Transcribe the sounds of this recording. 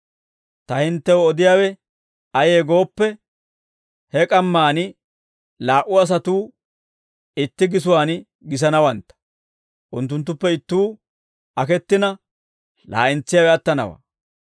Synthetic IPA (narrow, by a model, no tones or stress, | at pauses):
t̪ɐhɪnt̪ːɛwɔɔd̪ɪjaːwɛ | ɐjeːɡo̞ːpːɛ | hɛkʼɐmːaːnɪ | laːʔʊɐs̬ɐt̪uː | ɪt̪ːɪɡɪsʊwaːn | ɡɪs̬ɐnɐwɐnt̪ːɐ̥ | ʔʊnt̪̬ːʊnt̪ːʊpːɛɪt̪ːuː | ɐkɛt̪ːɪnɐ | la̰ːʔɪnt͡sːɪjaːwɛɐt̪ːɐnɐ̰wa̰ː